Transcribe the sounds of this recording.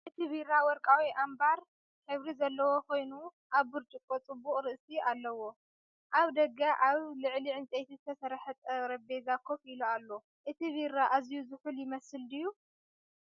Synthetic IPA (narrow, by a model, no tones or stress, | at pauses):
ʔɨt̪ʰiβirawɔɾkʼawiʔambaɾ | ħɨβɾizɐlːɐwo̞kʰo̞jnu | ʔaβːɨɾt͡ʃʼɨkʼːot͡sʼɨbuχʼɾɨʔsiʔalːɐwo̞ | ʔaβd̪ɐɡaʔaβlɨʕliʕɨnt͡sʼet̪ʰizɨt̪ʰɐsɐɾħɐt̪ʼɐɾɐbezakʰːofilualːo̞ | ʔɨt̪ʰiβiɾaʔazijuzɨħuljɪmɐsɨld̪ɨjːu